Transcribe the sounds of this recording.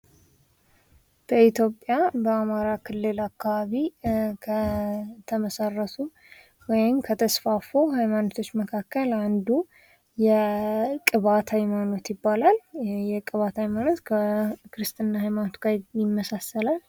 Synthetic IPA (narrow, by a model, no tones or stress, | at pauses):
b̥əit̪ʰjopʼːjabəamaɾakʰɨlːɨlakːaβaβikʰət̪ʰəməsarːət̪ʰu | wɔjɪmkʰət̪ʰəsfafo̞ɦajmanot̪ʰo̞t͡ʃːməkʰakːəland̪u | jɛkʼɨβat̪ʰajmano̞t̪jɪbːalaljɛkʼɨβat̪ʰajmano̞t̪kʰəkɨɾɨst̪ʼɨnːahajmanot̪ɡajɪmːəsasːəlal